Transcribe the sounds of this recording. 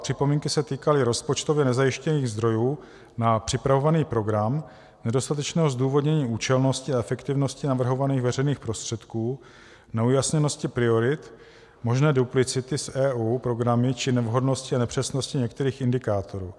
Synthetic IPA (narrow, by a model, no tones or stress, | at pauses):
pr̥ɪpo̞miːŋkɪsɛt̪iːkalɪɾo̞spot͡ʃt̪o̞vjɛnɛzajɪʃcɛniːɣzd̪ɾo̞juː | napr̥ɪpɾavo̞vaniːpɾo̞ɡɾam | nɛdo̞st̪at̪ɛt͡ʃnɛːɦo̞zd̪uːvo̞dɲɛɲiːuːt͡ʃɛlno̞scɪaɛfɛkt̪ɪvno̞scɪnavr̩ɦo̞vaniːɣvɛr̝ɛjniːxpɾo̞st̪r̥ɛt̪kuː | nɛujasɲɛno̞scɪpɾɪo̞ɾɪt̪ | mo̞ʒnɛːduplɪt͡sɪt̪ɪsʔɛːʔuːpɾo̞ɡɾamɪt͡ʃɪnɛvɦo̞dno̞scɪanɛpr̝̥ɛsnoscɪɲɛkt̪ɛɾiːxɪndɪkaːt̪ʰo̞ɾṵː